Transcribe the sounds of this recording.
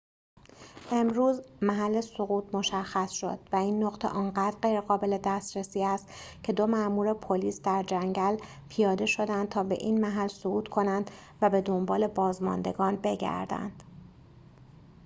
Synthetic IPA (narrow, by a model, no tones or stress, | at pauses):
ʔe̞mɾuːzmæɦælːe̞soɣuːt̪ʰmo̞ʃæxːæsʃo̞̰d̪̥væiːnːoɣt̪ʰḛʔɒːŋɢæːd̪ɾɢejɾeɣɒːbe̞le̞d̪æst̪ɾesiːæst̪cʰe̞d̪o̞mæʔmuːɾe̞pʰoliːsd̪æɾd͡ʒæŋɟæl | pʰijɒːd̪e̞ʃo̞d̪ænd̪̚t̪ʰɒːbe̞̰ʔiːnmæɦælsoɣuːt̪kʰo̞nænd̪̥ | væbe̞d̪o̞mbɒːle̞bɒːzmɒ̰nd̪e̞ɡɒːnbe̞ɟæ̰ɾd̪æ̰nd̪̥